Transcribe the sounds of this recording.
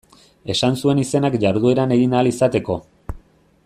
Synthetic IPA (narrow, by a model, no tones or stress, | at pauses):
e̞sansue̞nise̞nakʝaɾðue̞ɾane̞ɣinaːlisat̪e̞ko̞